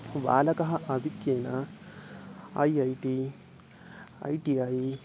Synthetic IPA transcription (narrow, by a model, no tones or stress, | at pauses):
ʋa̰ːlɐkɐɦɐʔɐd̪ʱikjeːnɐ | ɐ̰jiɐjʈi | ɐ̰jʈiɐj